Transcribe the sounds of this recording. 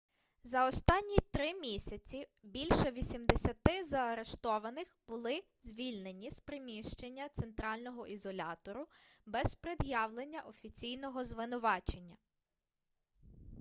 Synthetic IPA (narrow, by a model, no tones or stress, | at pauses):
zɐɔst̪ɑnʲːit̪ɾɪmʲisʲɐt͡sʲibʲilʲʃɛʋʲisʲimd̪esʲɐt̪ɪzɐɐɾe̞ʃt̪ɔʋɐnɪxb̥ʊlˠɪzʲʋʲilʲnenʲispɾɪmʲiʃt͡ʃenʲːɐt̪sent̪ɾɑlʲnɔɦɔʔizɔlʲɑ̰t̪ɔɾʊbɛzpɾed̪jɑwlˠenʲːɐʔɔfʲit͡sʲijnɔɦɔzʋɪnʊʋɑt͡ʃe̞nʲːɐ